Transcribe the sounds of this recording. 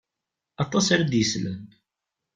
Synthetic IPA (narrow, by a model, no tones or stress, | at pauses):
ɑt̪ˤɑsaɾad̪jəslə̰n